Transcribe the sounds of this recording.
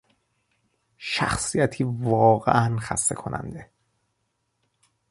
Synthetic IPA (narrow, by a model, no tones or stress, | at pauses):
ʃæ̰xsijæt̪ʰiːvɒːɣḛʔænxæ̰st̪e̞̰kʰo̞nʔæ̰nd̪e̞